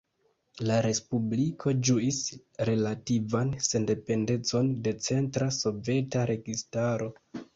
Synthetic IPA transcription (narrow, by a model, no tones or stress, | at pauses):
laɾe̞spublikʰo̞d͡ʒuis | ɾe̞lativanse̞nde̞pe̞nde̞t͡so̞nde̞t͡se̞ntɾaso̞ve̞taɾe̞ɡistaɾo̞